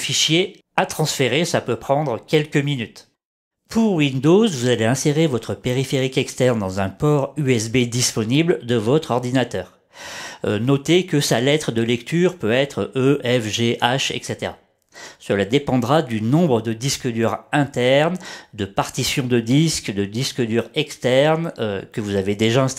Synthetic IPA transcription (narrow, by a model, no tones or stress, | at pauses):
fiʃje | at̪χɑ̃sfeʁesapøpχɑ̃d̪ʁəkʲɛlkʲəminyt̪ | pʰuʁwind̪ozvuzaleɛ̃seʁevɔt̪χəpeʁifeʁikɛkst̪ɛʁnd̪ɑ̃zɛ̃pɔʁyɛsbed̪ispɔnibld̪əvɔt̪χɔʁd̪inat̪œːʁ | nɔt̪ekəsalɛt̪χəd̪əlɛkt̪yʁpøɛt̪χøʔɛfʒeʔaʃɛ̰kset̪eʁa | səlad̪epɑ̃d̪ʁad̪ynɔ̃bʁəd̪əd̪iskəd̪yʁɛ̃t̪ɛʁnd̪əpaʁt̪isjɔ̃d̪əd̪iskd̪əd̪iskəd̪yʁɛkst̪ɛʁnøkəvuzaved̪eʒaɛ̃s